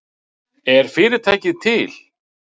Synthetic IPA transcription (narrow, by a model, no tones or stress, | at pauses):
ɛɾ̥fɪːɾɪt̪ʰaːjcɪðt̪ʰɪl